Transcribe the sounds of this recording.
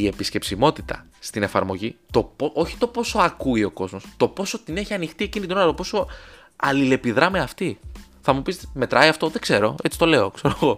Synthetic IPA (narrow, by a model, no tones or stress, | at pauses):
ie̞pisce̞psimo̞t̪i̥t̪ɐ̰ | st̪ine̞fɐ̰ɾmo̞ʝit̪o̞poʔo̞çi̥t̪o̞po̞so̞ɐkuio̞ko̞zmo̞st̪o̞po̞so̞t̪ine̞çiɐnixt̪iecinit̪inoɐɐt̪opo̞so̞ | ɐlile̞piðɾɐmeɐft̪i | θɐmupisme̞t̪ɾɐiɐft̪o̞ðe̞kse̞ɾo̞e̞t͡si̥t̪o̞le̞o̞kse̞ɾoɣo̞